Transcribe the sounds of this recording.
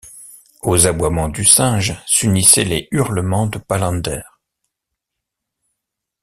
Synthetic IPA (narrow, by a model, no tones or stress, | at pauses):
ozabwamɑ̃d̪ysɛ̃ʒsynisɛlɛyʁləmɑ̃d̪əpalɑ̃d̪ɛːʁ